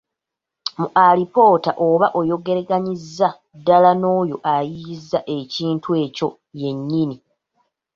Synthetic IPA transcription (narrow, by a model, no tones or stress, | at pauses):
muʔalipo̞ːtaʔoβaʔo̞jo̞ɡe̞ɾeɡaɲizːa | dalano̞ːjo̞ʔajiːzːaʔe̞ciːntʰwe̞ːco̞ | je̞ɲːini